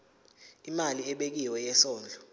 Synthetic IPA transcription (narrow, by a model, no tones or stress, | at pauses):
imaliɛɓek̬iwɛjɛsɔːnd͡ɮʱɔ